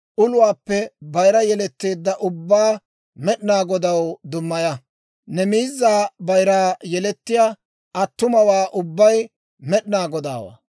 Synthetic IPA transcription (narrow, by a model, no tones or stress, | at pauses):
ʔʊlʊwaːpːɛbɐjɾɐjɛlɛt̪ːe̞ːd̪ːɐʔʊbːaː | mɛɗɪnaːɡɔd̪ɐwd̪ʊmːɐjɐ | nɛmiːzːaːbɐjɾaːjɛlɛt̪ːɪjaː | ʔɐt̪ːʊmɐwaːʔʊbːɐj | mɛɗɪnaːɡɔd̪a̰ːwa̰